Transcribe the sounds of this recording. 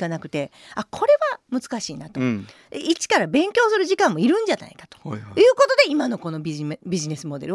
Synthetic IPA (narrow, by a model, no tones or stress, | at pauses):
kanakɯ̟̥t̪e̞akʰo̞ɾe̞βamɯ̟t͡sɨ̥kaɕiːnat̪o̞ | it͡ɕi̥kaɾabẽ̞ŋkʲo̞ːsɨɾɯ̟ʑikãmːo̞iɾɯ̟̃ɲ̟d͡ʑana̰ikḁt̪o̥jɯ̟ːkot̪o̞d̪e̞imano̞ko̞no̞bʲibʲiʑine̞sɨmo̞d̪e̞ɾɯ